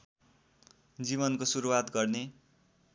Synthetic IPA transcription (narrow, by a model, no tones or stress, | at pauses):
d͡ziβʌnkosuɾuwat̪ɡʌrne